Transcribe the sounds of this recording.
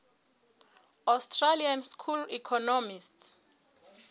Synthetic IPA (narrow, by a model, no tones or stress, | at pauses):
astʰralianskʰulikʰɔnɔmist